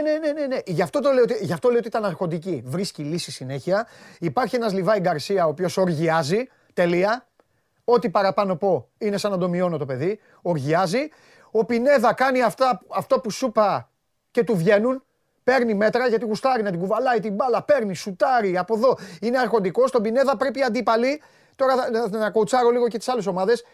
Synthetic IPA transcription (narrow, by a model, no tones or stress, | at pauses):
ne̞ne̞ne̞neʔʝɐft̪o̞t̪olejot̪iʝɐft̪olejoiit̪ɐnɐɾxo̞nd̪icivɾiscilisisine̞çiɐipɐɾçienɐzlivɐeɡɐɾsiɐopio̞so̞ɾʝiɐzi | t̪e̞liɐ | o̞t̪ipɐɾɐpɐno̞po̞ine̞sɐnɐnd̪omio̞no̞t̪ope̞ði | o̞ɾʝiɐzi | o̞pine̞ðɐkɐniɐft̪ɐːft̪opusupɐ | ce̞t̪uvʝe̞nun | pe̞ɾnime̞t̪ɾɐʝɐt̪iɣust̪ɐɾinɐt̪iɡuvɐlɐit̪imbɐlɐpe̞ɾnisut̪ɐɾiɐpo̞ðo̞ine̞ɐɾxo̞nd̪iko̞st̪o̞bine̞ðɐpɾe̞piɐnd̪ipɐli | t̪o̞ɾɐnɐko̞ut͡sɐɾo̞liɣo̞cet̪i̥sɐle̞so̞mɐðe̞s